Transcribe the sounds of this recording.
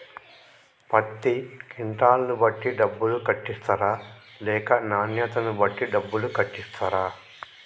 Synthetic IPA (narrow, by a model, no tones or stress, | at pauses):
pɐt̪ːikiɳʈaːlɐnubɐʈːiɖɐbːulukɐʈːist̪ɐɾaː | lɛːkɐnaːnjɐt̪ɐnubɐʈːiɖɐbːulukɐʈːist̪ɐɾaː